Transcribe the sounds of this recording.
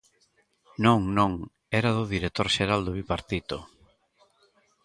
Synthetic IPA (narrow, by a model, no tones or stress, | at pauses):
nõŋnõŋ | ɛɾaðʊðiɾet̪oɾʃeɾald̪ʊβipaɾt̪it̪o